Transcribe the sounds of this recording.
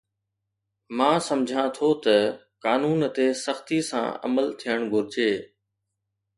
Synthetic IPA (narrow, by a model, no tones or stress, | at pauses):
mãːsɐmd͡ʑʱãt̪ʰot̪ɐ | kaːnuːnt̪esəxt̪isã̰ːə̰məlt̪ʰijəɽ̃ɡʱʊɾɪd͡ʑeː